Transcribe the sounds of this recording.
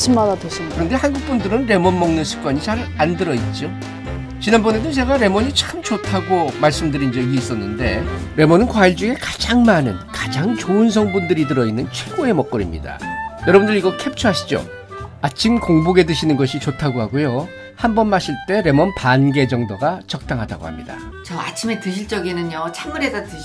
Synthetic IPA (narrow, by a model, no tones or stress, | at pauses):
sɯmmadates͈kɯɾʌnde̞hanɡuk̚p͈undɯɾɯnɾe̞mʌnmʌŋnɯnsʰu̥k͈waɲit͡ɕaɾandɯɾʌit̚t͡ɕ͈o | t͡ɕinanbʌne̞dɯnt͡ɕe̞ɡaɾe̞mʌɲit͡ɕʰɯ̥k͈ʰɯmt͡ɕotʰaɡomaɭs͈ɯmdɯɾind͡ʑeiːs͈ʌnːɯnde̞ɾe̞mʌnɯnkwaiɭd͡ʑue̞kad͡ʑaŋmanɯ̰nkad͡ʑaŋt͡ɕoɯns̬ʰʌŋbundɯɾidɯɾʌinːɯnt͡ɕʰwe̞ɡoe̞mʌk͈ɯɾḭmɲḭda̰jʌɾʌbundɯɾiɡʌkʰe̞pt͡ɕʰuɦaɕʰi̥d͡ʑo̰ | at͡ɕʰimkoŋbuɡe̞dɯɕʰinɯnɡʌɕʰit͡ɕotʰaɡoɦaɡojo | hambʌnmaɕʰiɭt͈e̞ɾe̞mʌnpanɡe̞d͡ʑʌŋdoɡat͡ɕʌk̚t͈aŋɦada̰ɡo̰hamɲida̰ | t͡ɕʌa̰t͡ɕʰimetɯɕʰiɭt͡ɕ͈ʌɡinɯɲot͡ɕʰamɯɾesatɯ